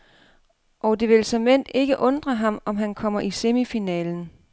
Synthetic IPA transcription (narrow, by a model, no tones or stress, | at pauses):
ʔɒ̽d̥e̝ʋe̝lsɒ̽men̰d̥e̝ɡ̥əʔɔ̽nd̥ʁɐɦɑ̈mɒ̽mɦænkʰɒ̽m̰ɐʔise̝mifinɛ̰ːln̩